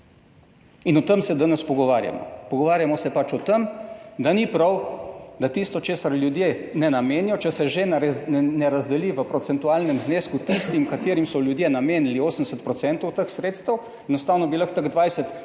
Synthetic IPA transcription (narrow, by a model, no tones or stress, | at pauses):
inɔt̪əmsɛd̪anɛspɔɡɔʋaːɾja̰mɔ̰pɔɡɔʋaːɾjamɔsɛpat͡ʃɔt̪əmd̪anipɾɐwd̪at̪ist̪ɔt͡ʃeːsaɾljud̪jenɛnameːnjɔt͡ʃɛsɛʒenɛɾazd̪ɛliʋəpɾɔt̪sɛnt̪ualnɛmzneːskut̪ist̪imkat̪eːɾimsɔlʲjud̪jenameːnlioːsənd̪ɛsət̪pɾɔt̪sɛnt̪ɔwt̪əxsɾeːt̪st̪əw | ɛnɔst̪aːwnɔbiləxt̪əɡd̪ʋajsət̪